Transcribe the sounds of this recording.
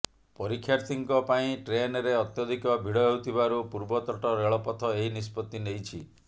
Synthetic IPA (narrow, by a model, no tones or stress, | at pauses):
pɔɾikʰːjaɾt̪ʰiŋkɔpaĩʈɾenɔɾeɔt̪jɔd̪ʱikɔbʱiɽɔɦewt̪ʰibaɾupuɾbɔt̪ɔʈɔɾeɭɔpɔt̪ʰɔeɦinispɔt̪ːinejt͡ʃʰi